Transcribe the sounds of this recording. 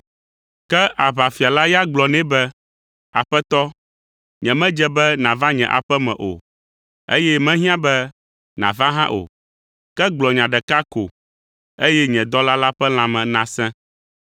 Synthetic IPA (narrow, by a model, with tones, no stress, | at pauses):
kɛ˦ʔa˨βa˨fi˨a˨la˦ja˦ɡ͡blɔ˨nɛ̃˦bɛ˦ | a̰˨ɸɛ˦t̪ɔ˦ | ɲɛ̃˨mɛ̃˦d͡ʒɛ˦bɛ˦nã˨va˦ɲɛ̃˨ʔa̰˨ɸɛ˦mɛ̰̃˨ʔo̰˨ | ḛ˦jɛ˦mɛ̃˦ɦĩ˦ã˦bɛ˦ | nã̰˨vã˦ɦã˦ʔo̰˨ | kɛ˦ɡ͡blɔ˨ɲã˨ɖɛ˨ka˦ko˨ | e˦jɛ˦ɲɛ̃˨d̪ɔ˦la˦la˦ɸɛ˦l̃ã˨mɛ̃˨nã˨sɛ̃˦